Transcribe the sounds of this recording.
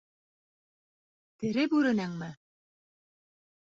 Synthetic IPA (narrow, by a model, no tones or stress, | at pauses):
t̪ɘ̆ɾɘpʉɾɘ̆næŋmɘ